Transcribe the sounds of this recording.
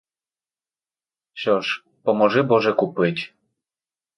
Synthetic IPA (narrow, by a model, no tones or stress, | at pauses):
ɕɔʂ | pɔmɔʐɛbɔʐɛkupɘt͡ɕ